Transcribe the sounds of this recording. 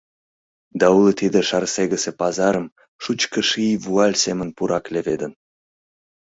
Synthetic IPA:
d̪ɑulit̪id̪eʃɑrseɣəsepɑzɑɾəm | ʃut͡ɕkəʃijvuɑlʲsemənpuɾʔɑkleved̪ən

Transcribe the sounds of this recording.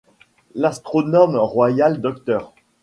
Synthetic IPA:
last̪χɔnɔmʁwajald̪ɔk̚t̪œːʁ

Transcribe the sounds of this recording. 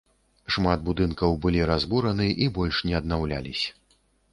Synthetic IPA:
ʂmad̪̚bud̪ɨnkɐwbɨlʲiɾazbuɾɐnɨʔibɔlʲʂnʲɛɐd̪nawlʲa̰lʲisʲɐ̥

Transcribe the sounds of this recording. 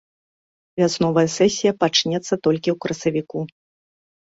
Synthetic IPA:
vʲasnɔvɐjɐsɛsʲijɐpat͡ʂnʲɛt̪sːɐt̪ɔlʲkʲiwkɾɐsɐvʲiku

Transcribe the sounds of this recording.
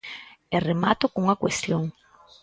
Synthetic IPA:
eremat̪ʊkuŋɐkwest̪joŋ

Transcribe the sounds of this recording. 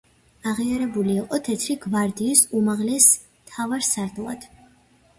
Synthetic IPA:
aʁiaɾɛbuliːqʼɔt̪ʰɛt̪ʰɾiɡvaɾd̪iːsumaʁlɛs | t̪ʰavaɾsaɾd̪lˠa̰d̪̥

